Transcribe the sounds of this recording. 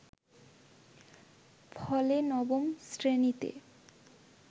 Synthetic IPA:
pʰɔlenɔbomsɾenit̪ḛ

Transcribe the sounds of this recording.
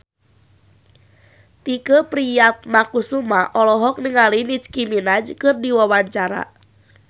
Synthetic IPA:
t̪ikəpɾijat̪̚nakusumaʔɔlɔɦɔk̚niŋalinit͡ʃkiminad͡ʒkɨrdiwawaɲt͡ʃaɾa̰

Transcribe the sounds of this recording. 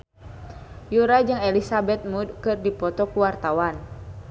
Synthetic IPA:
juɾad͡ʒɨŋɛlisabɛt̪̚mudkɨrdipɔt̪ɔkuwart̪awan

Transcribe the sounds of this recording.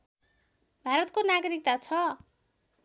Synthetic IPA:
bʱaɾʌt̪̚konaɡʌɾik̚t̪at͡sʰʌ

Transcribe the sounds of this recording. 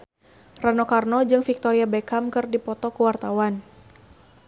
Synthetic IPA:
ranɔkarnɔd͡ʒɨŋfik̚t̪ɔɾiabekamkɨrdipɔt̪ɔkuwart̪awan

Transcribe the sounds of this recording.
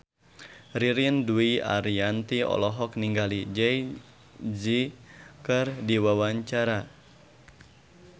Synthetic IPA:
riɾiənduia̰ɾiant̪iɔ̰lɔɦɔkniŋɡalid͡ʒɛj | d͡ʒikərdiwawaɲt͡ʃaɾa

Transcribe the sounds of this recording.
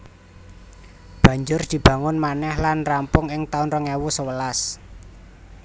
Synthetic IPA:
b̥ä̤ɲd͡ʒʊrd̪̥i̤b̥ä̤ŋʊnmanɛhlanrampʊŋɪŋt̪aʊnrəŋɛwusəwəlas

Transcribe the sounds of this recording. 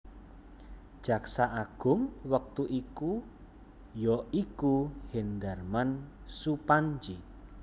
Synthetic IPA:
d̥ʒ̥a̤ksaʔaɡ̥ʊ̤mwək̚t̪uʔiku | jɔikuhend̪arman | supaɲd͡ʒi

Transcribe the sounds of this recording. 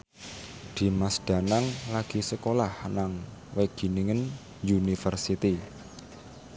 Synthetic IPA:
d̪̥i̤masd̪̥a̤naŋlaɡ̥i̤səkolahnaŋweɡ̥i̤niŋən | junifərsit̪i

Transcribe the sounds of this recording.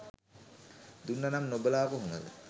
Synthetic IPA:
d̪unːanamnobəlaːpəɦunəd̪ə

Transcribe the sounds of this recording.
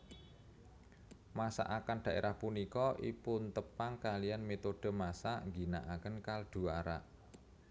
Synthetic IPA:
masa̰ʔakanɖ̪̥ä̤ʔḛɾʔahpunikɔʔḭpʊnt̪əpaŋkalijanmet̪od̥ə̤masaʔŋɡinaʔakənkald̪̥ṳaɾa̰ʔ

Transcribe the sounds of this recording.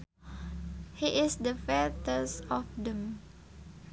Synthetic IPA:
hiʔɪsd̪əfɛt̪əsɔfdə̃m

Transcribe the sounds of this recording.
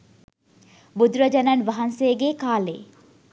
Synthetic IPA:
bud̪ɾəd͡ʒɐnɐnʋɐɦɐnsejəɡeːkaːlḛː

